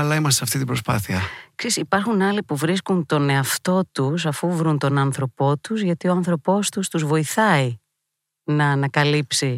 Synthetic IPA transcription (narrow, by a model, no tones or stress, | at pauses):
ɐlɐimɐs̬t̪eɐft̪it̪ibɾo̞spɐ̰θiɐksisipɐɾxunɐlipuvɾiskunt̪o̞ne̞ɐft̪o̞t̪us̬ɐfuvɾunt̪o̞nɐnθɾo̞po̞t̪uzʝɐt̪ioɐnθɾo̞po̞st̪ust̪uzvo̞iθɐi | nɐːnɐkɐlipsi